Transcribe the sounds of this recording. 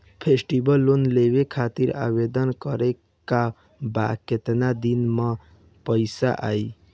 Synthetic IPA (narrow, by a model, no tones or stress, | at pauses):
pʰesʈibəlːonleβekʰat̪iɾa̰βed̪ənkəɾe | ka | ba̰ket̪nad̪inmə | pəjsa̰ʔa̰i